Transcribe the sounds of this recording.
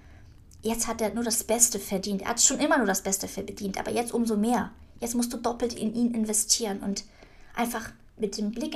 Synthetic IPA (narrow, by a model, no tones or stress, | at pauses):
jɛt͡sthateːɐnuːɐdasb̥ɛstəfɛɐdiːntʔḛːɐhatʃoːnʔɪmɐnuːɐɾasb̥ɛstəfɛɐd̥iːntʔa̰ːbɐjɛt͡stʔʊmzoːmeːɐjɛt͡stmʊstd̥uːdɔpl̩tʔɪ̰nʔiːnɪnvɛstʰiːʁ̞ənʊntʔa̰ɪnfaχ | mɪt̚d̥eːmblɪk